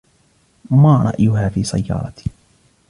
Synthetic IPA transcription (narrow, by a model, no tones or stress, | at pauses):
maːɾˤɑ̰ʔjʊɦaːfiːsa̰jːɑ̰ːɾˤɑt̪i̥